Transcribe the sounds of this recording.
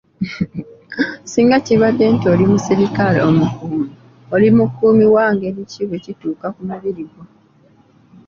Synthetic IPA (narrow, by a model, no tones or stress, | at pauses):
siːŋɡaciβadːe̞ːntio̞limusiɾikalḛomukuːmi | olimukːuːmiwaːŋɡe̞ːɾiciβe̞cituːkakumaβiɾiɡo